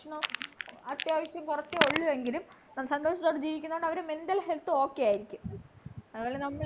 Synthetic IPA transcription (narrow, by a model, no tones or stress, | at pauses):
ʂɳɐɐt̪ːjaːʋɐɕjɐmkurɐt͡ɕːɨoɭːuʋe̞ŋɡilum | naːmːsɐnd̪o̞ːʂɐt̪ːoːɽɨd͡ʑiːʋikʲːunɐɣoɳɖɐʋɐɾemend̪ɐlhe̞lt̪ːɨo̞ːkːejaːjiɾikʲːumɐðuʋoːlenɐmːɐɭ